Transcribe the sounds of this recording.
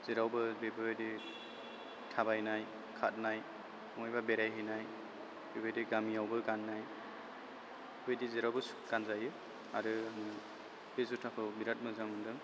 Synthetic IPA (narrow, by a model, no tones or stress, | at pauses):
z̥eɾawbɯbebɯjdi | tʰabajnaj | kʰat̚naj | ɔŋɔjbabeɾajɦinaj | ibɯjdiɡamiawbɯɡanːaj | ibɯjdizeɾawbɯs | ɡ̥anzajɯ | aɾɯamnɯ | bezutʰapʰɯbiɾat̚mɯzamɯdɯŋ